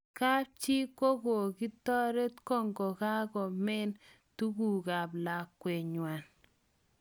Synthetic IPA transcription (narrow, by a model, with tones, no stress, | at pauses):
ka˦p̚t͡ʃi˦ko˦ɡo˨ki˦tɔ˦ɾe˦tkɔ˦ŋɡɔ˨ka˦kɔ˨mɛ˦n | tu˦ɡu˨ka˨pla˨kːwe˨ɲwa˨n